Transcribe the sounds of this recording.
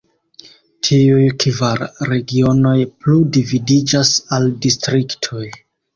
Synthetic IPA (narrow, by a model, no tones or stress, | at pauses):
tʰiujkvaɾɾe̞ɡio̞no̞jpludividid͡ʒasaldistɾiktʰo̞j